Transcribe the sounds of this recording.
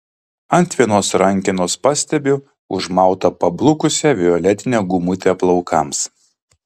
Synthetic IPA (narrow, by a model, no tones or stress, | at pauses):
ɐnʲˑt̪ʲʋʲiɛnoːsɾɐŋʲˑkʲɪnoːspɑsʲt̪ʲɛbʲʊ | ʊʒmɑˑʊt̪ɐpɐblˠʊkʊsʲɛʋʲɪɔlʲɛt̪ʲɪnʲɛːɡʊmʊt̪ʲeːplˠɐʊkʰɐms